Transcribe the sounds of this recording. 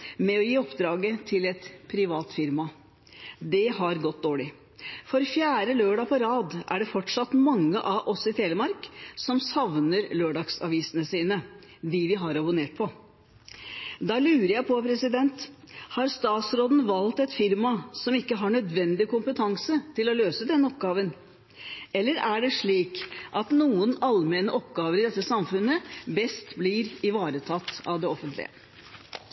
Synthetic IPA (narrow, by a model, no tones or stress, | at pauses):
mɛɔjiːɔpd̪ɾɑːɡət̪ʰɪlɛt̪pʰɾɪʋɑːt̪fɪɾmɑ | d̪ɛhɑɾɡɔt̪̚d̪oːɭɪ | fɔɾfjæːɾəløːɖɑpʰɔɾɑːd̪ʔæ̰ɖɛfɔʈʂɑt̪mɑŋːəʔɑʔɔsɪt̪ʰeːləmɑɾksɔmsɑʋnəɾløːɖɑksɑ̰ʋiːsənəsiːnə | d̪ɪʋɪɦɑɾɑbʊneːʈ̚pʰɔ | d̪ɑlʉːɾəɾjæɪpʰɔpʰɾɛsɪd̪ɛnt̪ | hɑɾst̪ɑːt̪sɾoːd̪nʋɑlt̪ɛt̪fɪɾmɑsɔmɪkːəɦɑɳœd̪ʋɛnd̪ɪkʊmpət̪ʰɑŋsət̪ʰɪlɔløːsəd̪ɛnːəɔp̚ɡɑːʋən | ɛlːəɾæɖɛʂɭiːkʔɑt̪nuːənɑlmɛːnəʔɔpɡɑːʋəɾɪd̪ɛt̪ːəsɑmfʉnːəbɛst̪blɪɾɪʋɑːɾət̪ʰɑt̪ːɑʋd̪ɛɔfənt̪ʰlɪ̰ə̰